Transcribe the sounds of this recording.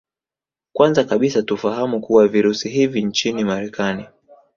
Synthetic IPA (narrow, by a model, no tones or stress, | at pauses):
kwanzakaɓisatufaɦamukuwaviɾusiɦivint͡ʃinimaɾɛkani